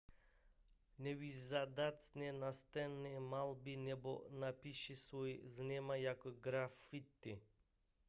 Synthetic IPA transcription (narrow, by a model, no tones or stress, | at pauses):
nɛvizad̪at̪snɛnast̪ɛnɛmalˠbinɛbɔ̰napiʃisvojznɛmajakɔɡɾafit̪ːi